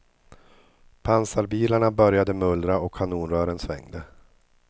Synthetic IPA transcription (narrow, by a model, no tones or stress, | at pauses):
pʰansaɾbiːlaɳabœɾjad̪əmɵld̪ɾaɔkʰːanuːnɾœːɾənsvɛ̰ŋd̪ə